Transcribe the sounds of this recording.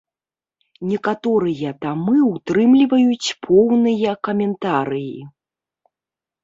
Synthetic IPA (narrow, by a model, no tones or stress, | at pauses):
nʲɛkat̪ɔɾɨjɐt̪amɨut̪ɾɨmlʲivɐjut͡sʲpʰɔwnɨjɐkɐmʲɛnt̪aɾɨji